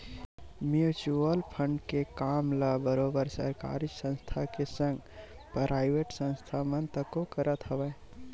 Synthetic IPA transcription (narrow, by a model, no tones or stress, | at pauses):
mjut͡ʃuəlpʰəɳɖkekamləbəɾobəɾsə̰ɾka̰ɾiksə̃nst̪ʰakesə̃ŋɡpɾaɪbeʈsə̃nst̪ʰamənt̪əkokəɾət̪ɦəbə